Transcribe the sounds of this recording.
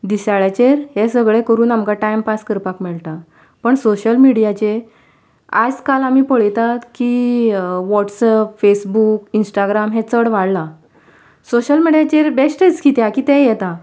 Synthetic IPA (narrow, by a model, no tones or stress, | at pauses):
d̪isaɭat͡ɕeɾɦesəɡɭekəɾuːnamkaʈajmpaskəɾpakmɛɭt̪a | pəɳsoɕəlmiɽijat͡ɕe | a̰d͡zkalamiːpəɭjt̪at̪ki | ʋɔʈsəpfesbukinsʈaɡɾamɦet͡səɽʋaɽla | soɕəlmiɽjat͡ɕeɾbesʈet͡skit̪jakiːt̪ɛ̃jɛt̪a